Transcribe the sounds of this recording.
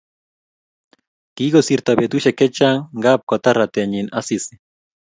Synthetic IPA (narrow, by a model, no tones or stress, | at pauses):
kiɣosiɾt̪aβet̪uʃeket͡ʃaŋɡap̚kot̪arat̪eɲinasisi̥